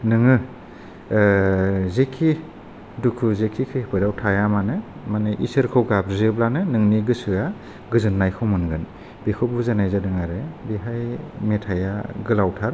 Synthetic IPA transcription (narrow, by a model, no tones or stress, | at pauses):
nɯŋɯ | zekʰi | dukʰuzekʰikʰɯhpʰɯdawtʰajamanɯmaneʔḭsɯɾkʰɯwɡabzɯblanɯnɯŋniɡɯsɯja | ɡɯzɯnːajkʰɯwmɯnɡɯn | b̥ekʰɯbuzanajzadɯŋaɾɯbiɦajmetʰajaɡɯlawtʰaɾ